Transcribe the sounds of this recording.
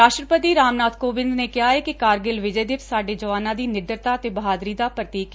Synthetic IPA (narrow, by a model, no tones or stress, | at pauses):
ɾaːʃʈɾəpət̪iːɾaːmnaːt̪koːbɪ̃nd̪neːkɪɦaːɦɛːkɪkaːɾɡɪlʋɪd͡ʒeːd̪ɪpsaːɖeːd͡ʒəʋaːnãːd̪iːnɪɖ̪əɾt̪aːət̪eːbəɦaːd̪ɾiːd̪aːpɾət̪iːk